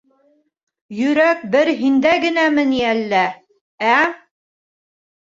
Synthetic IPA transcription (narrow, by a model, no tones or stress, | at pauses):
jɵ̆ɾæk̚bɘɾɦind̪æɡɘ̆næmɘ̆niælːæ | æ